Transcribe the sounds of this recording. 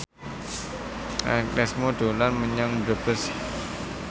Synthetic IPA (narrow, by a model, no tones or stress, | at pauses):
ʔa̰klɛsmod̪̥o̤lanməɲaŋdəb̥əs